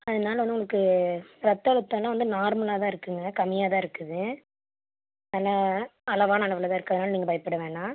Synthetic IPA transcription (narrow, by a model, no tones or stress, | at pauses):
ɐðɐnaːlɐʋɔnd̪ʊŋɡɐɭɐkːɯɾɐt̪ːɐɭɯt̪ːɐlãːʋɐnd̪ɯnaːɾmɐlaːt̪ãːɪɾɯkːɯŋɡɐkɐmɪjaːt̪ãːɪɾɯkːɯðɯ | laːɐlɐʋaːnɐːɭɐʋɪlɐt̪ãːɪɾɯkːaːðɯnaːlɐniːŋɡɐbɐɪpːɐɽɐʋẽːnaː